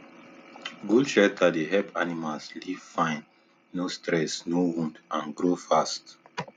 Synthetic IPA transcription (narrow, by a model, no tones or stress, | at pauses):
ɡulʃɛtʰad̪eɦɛpʰanimalslivfãɪnː | ostɾɛsnowũndãnɡɾofast